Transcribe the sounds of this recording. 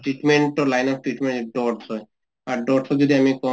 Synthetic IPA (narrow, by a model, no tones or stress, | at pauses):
ʈɾiʈmeɳʈɔɾlajnɔɾ̚ʈɾiʈmẽɳʈɖɔɾt̪ʰɔe | aɾɖɔɾt̪ʰɔd͡ʑod̪iamikɔ